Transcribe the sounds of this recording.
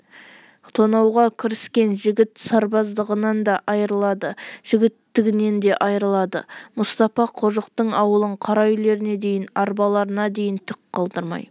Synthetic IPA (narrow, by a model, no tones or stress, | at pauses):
t̪ʰonɑwʁɑkʲʰɪɾɪskʲe̞nʒɪɡʲɪt̪sɑɾbɑzd̪əʁənɑnd̪ɑʔɑjəɾəlˠɑd̪əʒ̥ɪɡʲɪt̪ːɪɡʲɪne̞nd̪e̞ʔɑjɾəlˠɑd̪ə̰mʊst̪ɑfɑqʰo̞ʒəqt̪əɴɑwəlˠəɴqʰɑɾɑjɪle̞ɾɪne̞d̪e̞jɪnɑɾbɑlˠɑɾənɑd̪e̞jɪnt̪ʰʏkqʰːɑlˠd̪əɾmɑ̰j